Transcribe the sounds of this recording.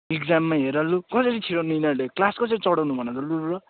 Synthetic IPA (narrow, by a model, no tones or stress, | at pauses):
iɡd͡zamːaɦeɾalːukʌsʌɾit͡sʰiɽʌninaleklaskʌsʌɾit͡sʌɽʌwnubʱʌnaɾʌluɾɾʌ